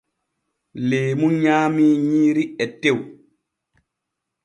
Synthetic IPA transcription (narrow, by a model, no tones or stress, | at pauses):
leːmunɲaːmiɲiːɾiɛtːew